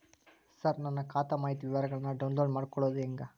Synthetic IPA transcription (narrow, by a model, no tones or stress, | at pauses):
sɐɾnɐnːɐkaːt̪ɐmaːjit̪uʋiʋaɾɐɡɐɭɐnːɐɖɐwnloːɖmaːɽkɔɭːoːd̪uɛŋɡɐ